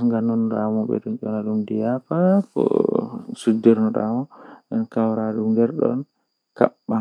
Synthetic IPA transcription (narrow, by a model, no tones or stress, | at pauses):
ŋɡanɔndɔamuɓɛ̰ɗunt͡ʃɔnaɗumdijapakɔ̰sudːiɾnɔɗɔ̰amɔʔɛnkawɾaɗumɡɛɾɗɔ̰n | ka̰ɓːa